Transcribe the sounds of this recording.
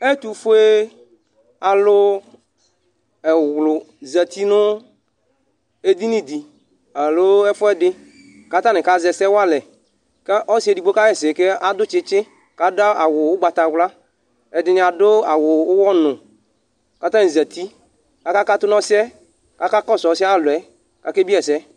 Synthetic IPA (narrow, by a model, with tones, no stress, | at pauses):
e˦t̪u˨fʊ˦e˦ | a˨lʊ˦ | ɛ˨wlʊ˨ | zɛ˨t̪i˦nʊ˦ | e˦d̪i˦nĩ˦d̪i˨ | a˨lo˦ɛ˦fʊ˦ɛ˦dɪ˦ | ka˦t̪a˦nɪ̃˨ka˦zɛ˨sɛ˦wa˦lɛ˨ | kɛ˦ʔɔ˦si˦ɛ˨di˨ɡ͡bo˦ka˦jɛ˦˨sɪ˨ke˦a˦d̪ʊ˦t͡ʃɪ˦t͡ʃɪ˦ | ka˨dʊ˦a˦a˨wʊ˨wʊ˦ɡ͡ba˨t̪a˨wla˦ | ɛ˨dɪ˨n˨a˨dʊ˦a˨wʊ˨wwɔ˦nʊ̃˨ | ka˨˦t̪a˦ne˨zɛ˨t̪i˦ | ka˦ka˦ka˦t̪ʊ˦nɔ̃˦sɪ˦ɛ˦ | ka˦ka˦kɔ˦˨sɔ˨˦si˦a˦˨lʊ˨ɛ˦ | ka˦ke˦bi˦ɛ˨sɛ˦